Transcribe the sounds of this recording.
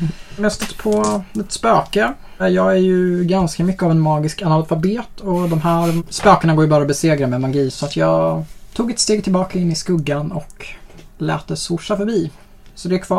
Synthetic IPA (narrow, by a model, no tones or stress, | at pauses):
mɛst̪ət̪ːpʰɔnɛt̪spøːkə | jɑːɡæɾjɵɡanskamʏkːəavɛnmɑːɡɪskanalfabeːt̪ʰɔd̪ɔmɦæːɾspøːkaɳaɡoːɾjɵbɑːɾaɔbɛseːɡɾamɛmaɡiːsɔat̪ʰjɑːt̪ʰuːɡɛt̪st̪eːɡ̚t̪ʰɪlbɑːkaɪnːɪskɵɡːanɔklɛ̰ːt̪ːəsʊʂafœɾbiː | sɔd̪ɛɛkʰvɑː